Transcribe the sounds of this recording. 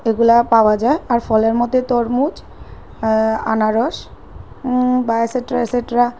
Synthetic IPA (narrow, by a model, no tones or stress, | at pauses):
eɡulapaoad͡ʑaeaɾfɔleɾmɔt̪et̪ɔɾmud͡ʑ | anaɾɔʃ | baseʈɾaeseʈɾa